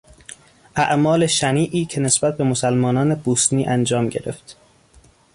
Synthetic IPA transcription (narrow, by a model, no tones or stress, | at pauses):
ʔæʔmɒːle̞ʃæniːʔiːcʰe̞ne̞sb̥æt̪̚ʰbe̞mosælmɒːnɒːneb̥uːsniːʔænd͡ʒɒːmɟeɾe̞̰ft̪